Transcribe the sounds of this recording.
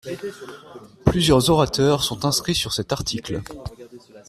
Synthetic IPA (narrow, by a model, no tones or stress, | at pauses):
plyzjœʁzɔʁat̪œʁsɔ̃t̪ɛ̃skχisyʁsɛt̪aʁt̪ʰikl